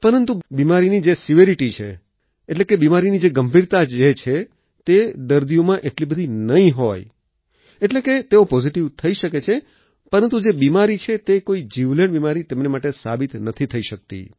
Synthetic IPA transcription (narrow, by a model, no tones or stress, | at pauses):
pəɾənt̪ubimaɾinid͡ʒesɪʋeɾiʈit͡ʃʰḛ | eʈlekebimaɾinid͡ʒeɡəmbʱiɾt̪ad͡ʒet͡ʃʰe | t̪ed̪əɾd̪iomãʔeʈlibəd̪ʱinəĩɦoj | eʈleket̪eopɔziʈiʋt̪ʰəiʃəket͡ʃʰe | pəɾənt̪̬ud͡ʒebimaɾit͡ʃʰet̪ekoid͡ʒiʋləɳbimaɾit̪emnemaʈesabit̪nət̪ʰit̪ʰəiʃək̚t̪ḭ